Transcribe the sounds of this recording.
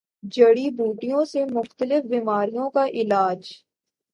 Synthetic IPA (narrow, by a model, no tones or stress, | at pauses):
d͡ʒəɽibuːʈijõsemʊxt̪əlɪfbiːmaːɾijõkaʔɪlaːd͡ʒ